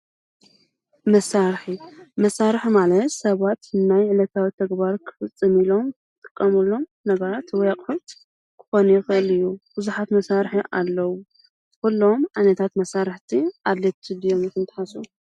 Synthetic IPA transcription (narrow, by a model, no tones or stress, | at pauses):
mɐsaɾħimɐsaɾɨħmalɐt̪sɐβat̪najʕɨlɐt̪ʰawit̪ʰɐɡbaɾkʰɨ̥fɨt͡sʼːɨmilo̞m | t̪ʼɨkʼːɐmulo̞m | nɐɡɐɾat̪wɔjakʼħut̪ | kʰɨ̥xo̞nujɪxɨʔɨlɨjːub̥ɨzuħat̪mɐsaɾħiʔa̰lːɐwu | kulːo̞mʕanɐt̪ʰat̪mɐsaɾɨħt̪ʰiʔad̪let̪ʰːɨd̪ijomjikɨnt̪ʰɨ̥ħasu